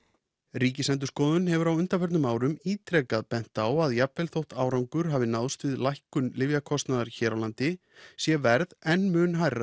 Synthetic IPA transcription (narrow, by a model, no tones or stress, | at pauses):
ɾiːcɪsɛnt̪̬ʏ̥ɾskɔːðʏnhɛvʏɾawʏn̥t̪afœɾt̪nʏmaːwɾʏmiːt̪ɾɛkaðpɛn̥t̪awaðjapvɛlθowht̪aːwɾawŋkʏɾ̥ɦaːvɪnawst̪vɪðlajhkʏnlɪvjakʰɔst̪naðaɾçɛːɾawlant̪ɪ | sjɛvɛɾðɛnmʏːnɦajra